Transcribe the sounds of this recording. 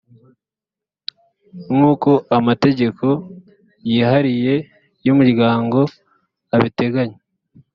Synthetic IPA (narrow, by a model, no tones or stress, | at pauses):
muːko̞ʔamate̞ɟe̞kʰo̞ | jiːhaɾije̞ | jumuɾɡaːŋɡo̞ | aβite̞ɡaɲe